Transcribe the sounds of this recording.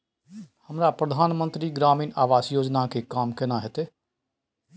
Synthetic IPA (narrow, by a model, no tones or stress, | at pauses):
həmɾaːpɾəd̪ʱaːnmənt̪ɾiːɡɾaːmĩːnaːʋaːsjoːd͡ʒnaːkeːkaːmkɪnãːɦɪt̪eː